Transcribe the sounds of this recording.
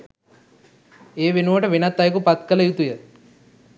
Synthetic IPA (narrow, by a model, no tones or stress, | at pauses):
eːʋenuʋɐʈɐʋenɐt̪ːɐjkupɐt̪kɐlɐjut̪ujə